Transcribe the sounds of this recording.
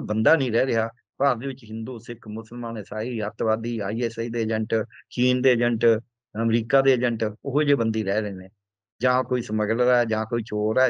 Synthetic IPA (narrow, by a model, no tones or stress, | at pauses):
bənd̪aːnĩːɾɛːɾɪɦaː | paːɾd̪eːʋɪt͡ʃɦɪnd̪uːsɪkʰmʊsəlmãːneːsaːiːɦət̪ʋaːd̪iːa̰ːiːeːsaiːd̪eːd͡ʒəɳʈt͡ʃiːnd̪eːəd͡ʒəɳʈ | əmɾiːkaːd̪eːəd͡ʒəɳʈʊɦd͡ʒeːbənd̪iːɾɛːɾeːnẽː | d͡ʒãːkoːiːsəməɡlɾaːɛd͡ʒãːkoːiːt͡ʃoːɾa